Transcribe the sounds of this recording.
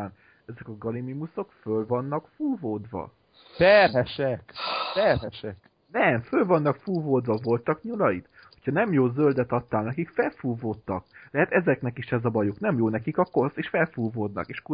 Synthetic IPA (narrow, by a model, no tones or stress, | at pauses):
aːn | ɛzɛkɒɡɒlimimuso̞kfølvɒnːɒkfuːvoːd̪vɒ̰ | t̪ɛrɦɛʃɛkt̪ɛrɦɛʃɛk | nɛmfølvɒnːɒkfuːvoːd̪vɒvo̞lt̪ɒkɲulɒjit̪ | ho̞cʰɒnɛmjoːzøld̪ɛt̪ɒt̪ːaːlnɛkikfɛlfuːvoːt̪ːɒklɛɦɛt̪ɛzɛknɛkiʃɛzɒbɒjoknɛmjoːnɛkikɒkːoseːʃfɛlfuːvoːd̪nɒ̰keːʃku